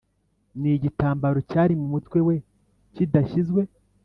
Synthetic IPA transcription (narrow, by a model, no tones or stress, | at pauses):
niɟitaːmbaɾo̞caːɾimumutwe̞we̞ | cidaʃizɡwe̞